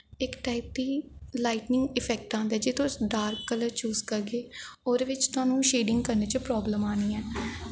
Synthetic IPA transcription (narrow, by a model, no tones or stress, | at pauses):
ɪkʈaːip̚d̪iːlaːiʈnɪ̃ŋɡɪpʰɛːk̚ʈãːnd̪ɛːd͡ʒɪt̪ʰõsɖaːɾkːələɾt͡ʃuːzkəɾɡeːoːɾʋɪt͡ʃt̪ʊãːnũːʃeːɖɪŋɡkəɾneːt͡ʃəpɾɔːbləmaːniːɛː